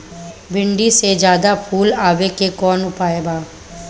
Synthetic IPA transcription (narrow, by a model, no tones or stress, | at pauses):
bɪ̃ɳɖised͡ʒjaːd̪apʰuːlaːʋekekɔːnʊpaːebaː